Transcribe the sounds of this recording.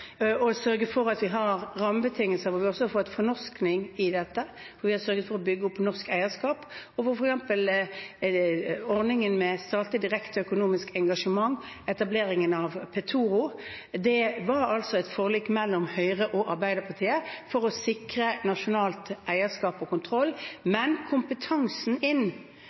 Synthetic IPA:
ɔsœɾɡəfɔɾɑt̪ʋɪɦɑɾɾɑməbət̪ʰɪŋəlsəʋɔʋɪɔsɔɑɾfɔt̪ːfɔnɔsknɪŋɪd̪ɛt̪ːə | fɔɾʋɪhɑsœɾɡət̪fɔɾɔbʏɡːəɔpːnɔʁskæɪəskɑːpɔfɔfɔɾɛksɛmpəl | ɔɾnɪŋənmɛst̪ɑːt̪əd̪ɪɾɛkt̪œkʊnuːmɪskɛŋɡɑʂəmɑŋː | ɛt̪ɑbleːɾɪŋənɑʋpʰɛt̪ʰuːɾʊd̪ɛʋɑɾɑlsɔɛɪt̪foːliːkːmɛlːɔmhœʏʁəʔɔʔɑɾbæɪd̪əpʰɑʁt̪ʰiːəfɔɾɔsɪkɾənɑʂʊnɑːlt̪ʔæɪəskɑːpɔkʊnt̪ʰɾɔlːmɛnkʰʊmpət̪ʰɑŋsn̩ɪn

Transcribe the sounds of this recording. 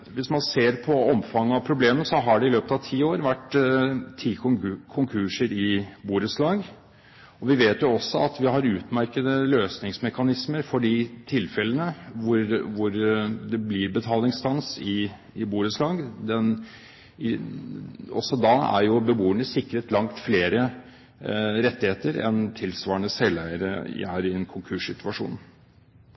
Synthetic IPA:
ʋɪsmɑnseːɾpʰɔɔmfɑŋːəɑʋpʰɾʊbleːmənsɔɦɑɖɛɪløːpət̪ɑʋt̪ʰiːoːɾʋæʈː | t̪ʰːiːkʰʊŋkʰʉːʂəɾɪbuːɾəslɑːɡ | ɔʋɪʋeːt̪jʊɔsːɔɑt̪ʋɪɦɑɾʉːt̪mæɾkəd̪əløːsnɪŋsmɛkɑnɪsməɾfɔɖɪt̪ʰɪlfɛlənəʋʊɾʋʊɾd̪ɛblɪɾbət̪ʰɑːlɪŋst̪ʰɑnsɪ | ɪbuːɾəslɑːɡd̪ɛn | ɪ | ʔɔ̰sːɔd̪ɑæ̰ɾjʊbəbuːəɳəsɪkːɾət̪lɑŋt̪fleːɾə | ɾɛt̪ːɪheːt̪əɾɛ̰nt̪ʰɪlsʋɑːɾəɳəsɛlːæɪəɾə̰hæːɾɪɛnkʰʊŋkʰʉʂɪt̪ʉɑʂṵːn

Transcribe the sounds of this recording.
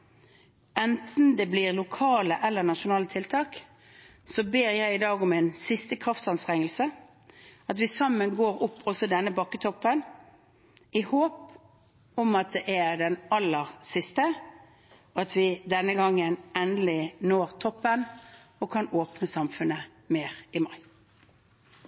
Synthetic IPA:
ɛnt̪n̩d̪ɛbliːʁlʊkʰɑːləʔɛlːəʁnɑʂʊnɑːlət̪ʰɪlt̪ʰɑːk | sɔbeːʁjæɪɪd̪ɑːɡɔmɪnsɪst̪əkʰʁɑft̪sɑnst̪ʁɛŋːəlsə | ɑt̪ʋɪsɑmːənɡoːʁʊpːɔsɔd̪ɛnːəbɑkːət̪ʰɔpːən | ɪhoːp | ɔmɑt̪̚d̪ɛʔæʁd̪ɛnɑlːəʁsɪst̪ə | ɔɑt̪ʰʋɪd̪ɛnːəɡɑŋːənɛnlɪnoːʁt̪ʰɔpːən | ɔkʰɑnoːpnəsɑmfʉnːə | meːʁɪmɑɪ

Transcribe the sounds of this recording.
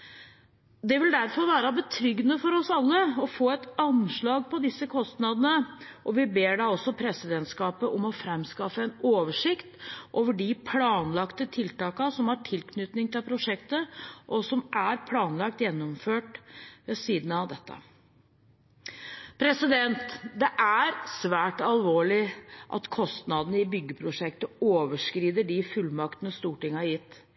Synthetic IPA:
d̪ɛʋɪld̪æɾfɔɾʋæːɾɑbət̪ʰɾʏɡnəfɔɾɔsɑlːəɔfoːɛt̪ɑnʂɭɑːɡpʰɔd̪ɪsːəkʰɔst̪nɑd̪ənəʔɔʋɪbeːɖɑɔsːɔpʰɾɛsɪd̪ɛnt̪skɑːpəʔɔmɔfɾɛmskɑfəɛnoːʋəʂɪkt̪ʔoːʋəɖɪpʰlɑːnlɑkt̪ət̪ʰɪlt̪ɑːkɑsɔmhɑʈʰɪlkʰnʏt̪nɪŋt̪ʰɪlpʰɾʊʂɛkt̪əʔɔsɔmʔæɾpʰlɑːnlɑk̚t̪jɛnːɔmføːʈʋɛsiːd̪n̩ɑʋd̪ɛt̪ːə̰ | pʰɾɛsɪd̪ɛnt̪d̪ɛʔæɾsʋæːʈɑlʋoːɭɪʔɑ̰t̪kʰɔst̪nɑd̪nəɪbʏɡːəpʰɾʊʂɛkt̪əoːʋəʂkɾiːd̪əɖɪfʉlːmɑkt̪ənəst̪uːʈɪŋːɑjɪt̪ː

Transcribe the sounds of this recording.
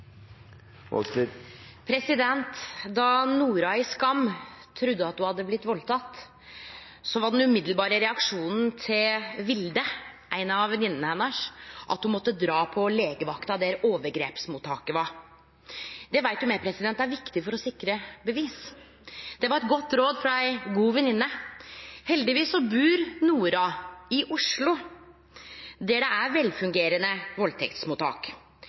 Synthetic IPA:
pʰɾɛsɪd̪ɛnt̪d̪ɑnuːɾɑɪskɑmt̪ʰɾʉd̪ːəɑt̪̚d̪ʊhɑd̪ːəblɪt̪ːʋɔlt̪ʰɑt̪ː | sɔʋɑɖɛnʉmɪd̪l̩bɑːɾəɾɛɑkʂuːnn̩t̪ʰɪlʋɪld̪əʔæɪnɑʋɛnɪnːənəhɛnːɑʂʔɑ̰t̪hʊmɔt̪ːəd̪ɾɑːpʰɔleːɡəʋɑkt̪ɑd̪ɛɾoːʋəɾɡɾeːpsmuːt̪ʰːɑːkəʋɑɾ | d̪ɛʋæɪt̪jʊmɛpʰɾɛsɪd̪ɛnt̪ːæɾʋɪkt̪ɪfɔɾɔsɪkɾəbəʋiːs | d̪̥ɛʋɑɾɛt̪ɡɔt̪ːɾoːd̪fɾɑæɪɡuːʋɛnɪnːə | hɛld̪ɪʋiːsːɔbʉːɾnuːɾɑɪʔʊʂlʊ | d̪æɖɛæɾʋɛlfʉŋɡeːɾənəʋɔlt̪ʰɛkt̪smuːt̪ʰɑ̰ːk

